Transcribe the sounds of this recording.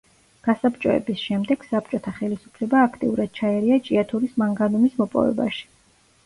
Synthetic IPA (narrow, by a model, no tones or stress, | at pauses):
ɡ̥asapt͡ʃʼɔɛ̰bisʃɛmd̪ɛɡ̥sap̚t͡ʃʼɔt̪ʰaχɛlisu̥pʰlɛbaːkʰt̪ʼḭuɾad̪̥̚t͡ʃʰaɛɾiat͡ʃʼiat̪ʰuɾismaŋɡanumismɔpʼɔ̰vɛ̰ba̰ʃi̥